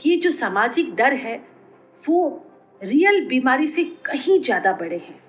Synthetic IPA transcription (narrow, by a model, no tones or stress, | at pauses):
jed͡ʒoːsaːmaːd͡ʒɪk̚d̪ɐɾɦɛː | ʋo | ɾiːjəlbiːmaːɾisekɐɦĩzjaːd̪abɐɽeɦɛ̃ː